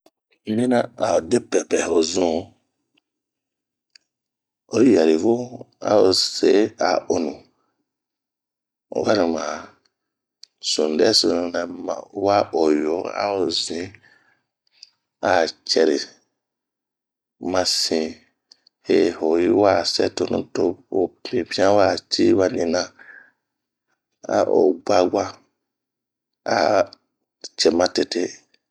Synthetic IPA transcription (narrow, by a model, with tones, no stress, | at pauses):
mĩ˦na˦a˨o˨de˦pɛ˨pɛ˨ho˨zũ˦ | o˨˦ja˨ɾi˨vu˦ | a̰˦o˨se˨˦a̰˨o˨nũ˨ | wa˦ɾi˨mã˨ | sũ˨n˨dɛ˦so˨nũ˨nɛ˨ma̰˨wa˦o˨jo˨˦a̰˦o˨zĩ˨˦ | a˨t͡ʃɛ˨ɾi˨ | mã˨sĩ˨ | he˨ho˨ji˦wa˦˨sɛ˦to˨nṵ̃˦to˦o˨pĩ˨bĩ˦ã˦wa˦˨tʰi˦wa˦nĩ˨nã˦ | a̰˨ʔo˨ɡ͡ba˦ɡʷa˦ | a˨ | t͡ʃɛ˨mã˦te˨te˦